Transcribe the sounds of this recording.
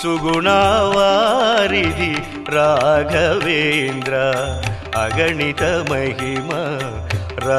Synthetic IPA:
suɡuɳaːʋaːɾid̪i | ɾaːɡʱɐʋeːnd̪ɾa | ɐɡɐɳit̪ɐmɐɦimɐ | ɾa

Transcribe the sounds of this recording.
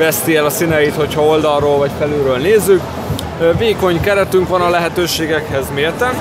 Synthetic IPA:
vɛst̪iɛlɒsinɛjit̪ho̞chɒo̞ld̪ɒrroːlvɒcfɛlyːɾøːlneːzːyk | veːko̞ɲkɛɾɛt̪yŋkʋɒnɒlɛɦɛt̪øːʃeːɡɛkhɛzmeːrt̪ɛn

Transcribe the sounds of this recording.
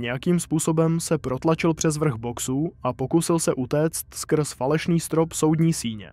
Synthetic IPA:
ɲɛjakiːmspuːso̞bɛmsɛpɾo̞t̪lat͡ʃɪlpr̥ɛzvr̩ɣbo̞ksuːʔapo̞kusɪlsɛʔut̪ɛːt͡st̪skr̩sfalɛʃniːst̪ɾo̞pso̞wdɲiːsiːɲɛ̰

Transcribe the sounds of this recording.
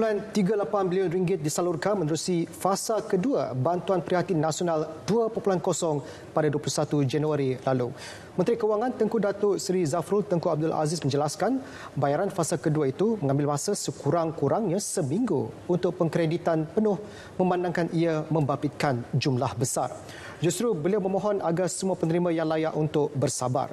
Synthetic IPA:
əpulant̪iɡalapanbiliʊnriŋɡɪt̪̚disalurkanmə̃nəɾusifasakəduabant̪uanpɾiɦat̪inasionalduapupulankɔsɔŋ | padaduəplusat̪ud͡ʒanuaɾilalu | mənt̪ɾikəuwaŋãnt̪əŋkudat̪ʊʔsɾizafɾʊlt̪əŋkuab̚dʊlʔa̰zɪsmə̃ɲd͡ʒəlaskan | bajaɾanfasalkəduait̪umə̃ŋãmbɪlmãsəsəkuɾaŋkuɾaŋɲãsəmĩŋɡṵːnt̪ʊʔpəŋkɾedit̪anpənʊh | mə̃mbandaŋkanʔiamə̃mbabɪt̪̚kand͡ʒumlahbəsa̰r | d͡ʒust̪ɾubəliawmə̃mɔɦɔnʔaɡarsəmuapənəɾimãjaŋlajaʔunt̪ʊʔ̚bərsaba̰r

